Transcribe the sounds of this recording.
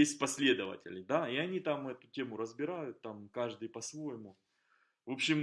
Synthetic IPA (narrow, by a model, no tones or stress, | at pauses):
esʲtʲpɐsʲlʲe̞d̪əvə̰tʲɪ̰lʲd̪aiɐnʲit̪amɛt̪ʊ̥tʲe̞mʊɾəzbʲɪɾajʊt̪ːamkaʐd̪ɨjpɐsvo̞jɪmʊ | vo̞pɕɪm